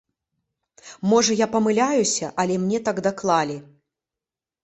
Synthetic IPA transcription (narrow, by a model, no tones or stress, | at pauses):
mɔʐɐjapɐmɨlʲajusʲɐʔɐlʲɛmnʲɛt̪aɡd̪aklˠalʲi